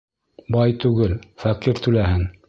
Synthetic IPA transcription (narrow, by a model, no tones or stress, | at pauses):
bɑjt̪ʉɡɘlfæqiɾt̪ʉlæhɘŋ